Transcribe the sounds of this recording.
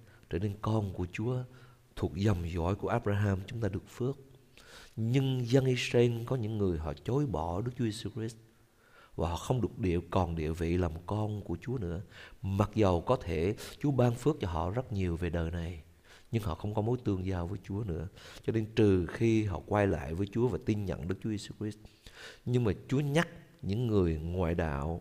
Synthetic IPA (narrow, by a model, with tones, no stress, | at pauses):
t͡ɕəː˧˩ne˧nkɔ˧nku˧˩ət͡ɕu˨˦ə | t̪ʰu˨˩ək̚zə˨˩ŋ͡mzɔ̰˧˩˨jku˧˩əʔaː˦˥p̚ɾaː˧ɦaː˧mt͡ɕʊ˨˦ŋ͡mt̪aː˧ɗɨ˨˩ək̚fɨ˦˥ək̚ | ɲɨ˧ŋzə˧nʔi˧sɾa˧e˧nkɔ˨˦ɲɨ̰˧˥ŋːɨ˨˩əjɦɔ̰˧˨t͡ɕo˨˦jɓɔ˧˩ɗɨ˦˥k̚t͡ɕu˨˦ze˧su˧kɾi˦˥st̚ | vaː˨˩ɦɔ̰˧˨xə˧wŋ͡mɗɨ˨˩ək̚ɗḭ˧˨əkɔ˨˩nɗḭ˧˨əvḭ˧˨la˨˩mkɔ˧nku˧˩ət͡ɕu˨˦ənɨ̰˧˥əma˨˩t̚zə˨˩wkɔ˨˦t̪ʰe˧˩t͡ɕu˨˦əɓaː˧nfɨ˦˥ək̚t͡ɕɔ˧ɦɔ̰˧˨zə˦˥t̚ɲi˨˩əwve˨˩ɗəː˨˩jna˨˩j | ɲɨ˧ŋɦɔ̰˧˨xə˧wŋ͡mkɔ˨˦mo˨˦jt̪ɨ˧əŋzaː˧vəː˨˦jt͡ɕu˨˦ənɨ̰˧˥ət͡ɕɔ˧ne˧nt̪ɨ˨˩xi˧ɦɔ̰˧˨kwaː˧jla̰ː˧˨jvəː˨˦jt͡ɕu˨˦əvaː˨˩t̪i˧nɲə̰˧˨nɗɨ˦˥k̚t͡ɕu˦je˧su˧kɾi˦˥s̚ɲɨ˧ŋmaː˨˩t͡ɕu˨˦əɲa˦˥k̚ɲɨ̰˧˥ŋːɨ˨˩əjŋwa̰ː˧˨jɗa̰ː˧˨w